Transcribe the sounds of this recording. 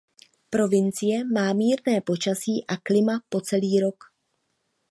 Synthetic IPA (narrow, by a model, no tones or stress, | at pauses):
pɾo̞vɪnt͡sɪjɛmaːmiːɾnɛːpo̞t͡ʃasiːʔaklɪmapo̞t͡sɛliːɾo̞k